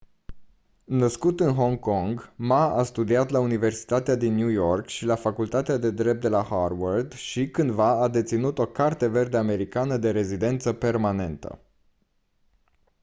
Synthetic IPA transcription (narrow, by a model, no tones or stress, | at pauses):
nəskut̪ɨnɦo̞ŋkoŋɡmaast̪ud̪iat̪launive̞rsi̥t̪at̪ead̪inːjujo̞rkʃilafakult̪at̪ead̪e̞d̪ɾe̞p̚t̪e̞laharward̪ʃikɨnd̪vaːd̪e̞t̪sinut̪o̞kart̪e̞ve̞rd̪eame̞ɾikanəd̪e̞ɾe̞zid̪e̞nt̪səpe̞rmane̞nt̪ə̰